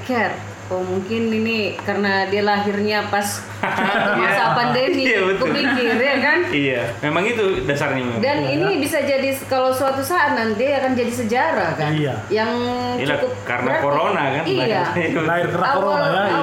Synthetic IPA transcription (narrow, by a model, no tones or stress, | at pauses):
kɛr | omuŋkɪninikarənadialaɦirɲapas | t͡ʃumasapandemiabət̪ubikɪrjakanijamemaŋit̪udasarɲamemdaninibisad͡ʒadikalosuat̪usaʔːt̪̚nant̪iakand͡ʒadis̬əd͡ʒaɾakania | jaŋ | t͡ʃakʊp̚ka̰ɾnaɾakoɾonakanaaɪrkanaaowala